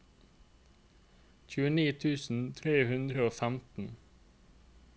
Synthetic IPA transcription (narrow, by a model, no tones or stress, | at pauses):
c͡çʉːəniːt̪ʰʉːsn̩t̪ʰɾeːhʉnd̪ɾəoːfæmt̪n̩